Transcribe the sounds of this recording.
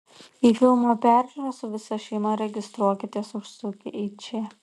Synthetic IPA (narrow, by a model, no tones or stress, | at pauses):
iːfʲɪlˠmoːpʲæˑɾʲʒʲuɾɐsʊʋʲɪsɐʃʲɛɪmɐɾʲɛɡʲɪst̪ɾuɔkʲɪt̪ʲiɛsʊʃsʊkʲɪʔiːt͡ʃʲɛ